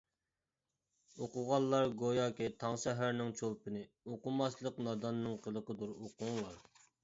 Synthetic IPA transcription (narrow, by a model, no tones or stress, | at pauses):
oqʊʁɑlˠlːˠɑɾɡojɑkʲɛt̪ʰɑŋsɛɦæɾnɪŋt͡ʃʰolˠpɨnɨ | oqʊmɑslˠəqnɑd̪ɑnːɨŋqʰəlˠəqəd̪uɾoqʰʊŋlˠɑɾ